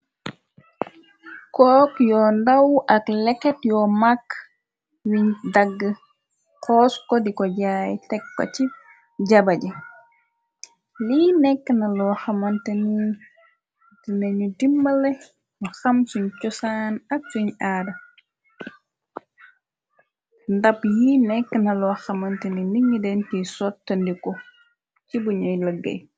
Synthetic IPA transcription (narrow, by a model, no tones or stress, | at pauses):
kɔkjɔndawʔaklɛkɛtjɔmakː | wiɲdaɡːə | kɔːskɔdikɔɟaːjtɛkːɔ̰t͡ʃi | ɟabad͡ʒɛ | linɛkːnalɔhamanteni | tinɐɲudimːɐlɛ | mɐxɐmsuɲt͡ʃɔsaːnɐk̚suɲaːdɐ | ndɐpjinɛkːənɐlɔxɐmɐntɛniniŋɡidɛnkisɔtːɐndikɔ | cibuɲɔjləɡːɐ̰j